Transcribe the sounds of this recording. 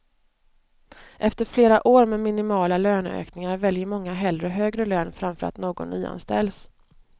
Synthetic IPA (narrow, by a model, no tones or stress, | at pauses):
ʔɛft̪əɾfleːɾaʔoːɾmɛmɪnɪmɑːlaløːnø̰ːknɪŋaɾvɛljəmɔŋːaɦɛld̪ɾəɦøːɡɾəløːnfɾamfœɾa̰t̪noːɡɔ̰nːyːa̰nst̪ɛ̰ls